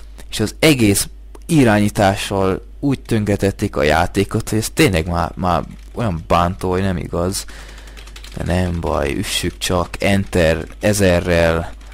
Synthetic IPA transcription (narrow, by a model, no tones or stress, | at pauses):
eːʃɒzɛɡeːs | iɾaːɲiːt̪aːʃːɒl | uːɟ̚t̪øŋkɾɛt̪ɛt̪ːikɒ̰ja̰ːt̪eːko̞t̪ho̞ɟɛst̪eːɲlɛɡmaːmaːr | o̞jɒmbaːnt̪oːojnɛmḭɡɒz | d̪̥ɛ̰nɛmbɒ̰jy̰ʃːykt͡ʃɒkʰɛnt̪ɛrɛzɛrːɛl